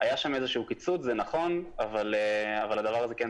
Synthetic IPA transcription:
ajaʃame̞ze̞ʃuukit͡sut͡szenaχo̞navaleavalad̪avaʁazeke

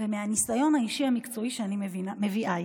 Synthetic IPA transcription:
vemeanisajo̞nhaiʃiamikt͡so̞iʃeanivme̞viʔa

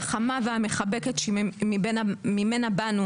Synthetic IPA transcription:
χamaveameχabeket̪ʃemibenamimenabanu

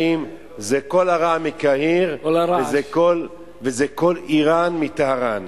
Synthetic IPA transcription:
im | zekolaʁamikahiʁlɾaezekol | vezeko̞liʁanmit̪ahaʁan

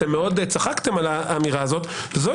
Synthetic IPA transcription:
emːeo̞d̪et͡saχakt̪e̞malaaːmiʁaːzo̞t̪ | vezo

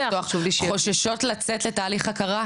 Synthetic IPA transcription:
ouvliʃo̞ʃaʃo̞tlat͡setletaːliχakaʁa

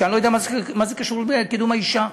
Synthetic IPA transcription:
anlojd̪amazmazekaʃulbeked̪umaiʃa

